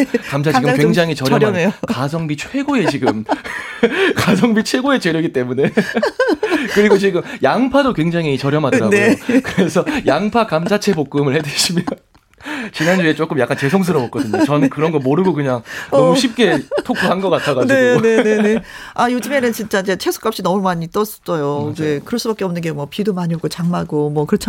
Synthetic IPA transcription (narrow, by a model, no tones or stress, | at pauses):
kamd͡ʑʰat͡ɕiiɡɯkweŋd͡ʑaŋɦit͡ɕʌɾjʌɾʌokasʰʌŋbit͡ɕʰwe̞ɡoe̞t͡ɕiɡɯm | kasʰʌŋbit͡ɕʰwe̞ɡoe̞t͡ɕe̞ɾjʌɡit͈e̞mune̞ | kɯɾiɡot͡ɕiɡɯmjaŋpʰadokwe̞ŋd͡ʑaŋit͡ɕʌɾjʌmɦadɾajkɯɾe̞sʰʌjaŋpʰakamsʰat͡ɕʰe̞pok̚k͈ɯmɯɭhe̞dɯɕʰimjʌn | t͡ɕinand͡ʑue̞t͡ɕ͈ok͈ɯmjak͈ant͡ɕe̞sʰoŋs̬ʰɯɾʌbʌk͈ʌdɯɲot͡ɕʌnɯnkɯɾʌnɡʌɭmoɾɯɡokɯɲaŋnʌmuɕʰip̚k͈e̞tʰokʰuɦanɡʌk͈atʰaɡadnene̞nene̞ajod͡ʑɯme̞nɯnt͡ɕint͡ɕ͈aid͡ʑe̞t͡ɕʰe̞sʰu̥k͈apɕ͈inʌmumaɲit͈ʌs͈ʌ̥s͈ʌjod͡ʑekɯɾʌɭs͈ubak͈eʌmnɯnɡe̞mwʌpidomaɲioɡot͡ɕaŋmaɡomwʌkɯɾʌt͡ɕʰ